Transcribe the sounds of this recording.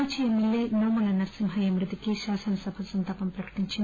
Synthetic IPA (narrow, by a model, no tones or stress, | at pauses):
t͡ʃijɐmilːeːnoːmɐlɐnɐɾsimɦɐjɐmɾɨt̪ikiʃaːsɐnɐsɐbʱɐsɐnt̪aːpɐmpɾɐkɐ̥ʈiɲt͡ʃin